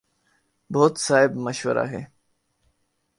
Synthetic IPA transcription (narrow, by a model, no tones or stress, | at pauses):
boːt̪saːɦɪbməʃʋəɾa̰ːɦeː